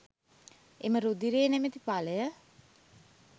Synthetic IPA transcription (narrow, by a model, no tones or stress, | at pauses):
eməɾud̪iɾeːnemet̪ipaləjə